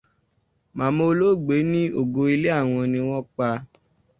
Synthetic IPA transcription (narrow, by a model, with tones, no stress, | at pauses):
mã˨˦mo˧lo˦˨ɡ͡be˨˦nĩ˦o˦˨ɡo˧i˧le˦a˦˨w̃ɔ̃˧nĩ˧w̃ɔ̃˦k͡pa˧